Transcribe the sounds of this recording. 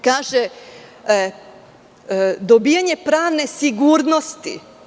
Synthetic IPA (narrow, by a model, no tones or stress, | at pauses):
kaːʒe | d̪obijaɲe̞pɾaːʋne̞siɡuːɾnost̪ḭ